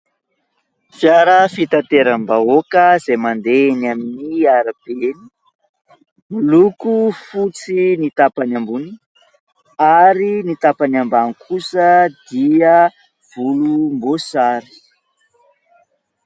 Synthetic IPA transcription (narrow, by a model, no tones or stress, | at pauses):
fjaɾəfit̪at̪eɾəmbaokəzejmand̪enaminiaɾab̥eni̥ | mulukufut͡sinit̪apanambuni | aɾinit̪apanambanikʰusəd̪iə | v̥ulumbosaɾi̥